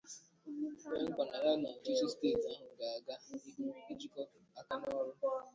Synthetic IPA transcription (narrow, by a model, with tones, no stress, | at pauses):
k͡pe˦ŋ̩˦kʷa˨na˨ɾa˦na˨n̩˨t͡ʃi˦sɔ˦steː˦˨ta˨˦ɦʊ˨ɡa˨a˨ɡa˦i˦i˦ki˦d͡ʒi˦kɔ˦ | a˦ka˦nɔ˦ɾʊ˦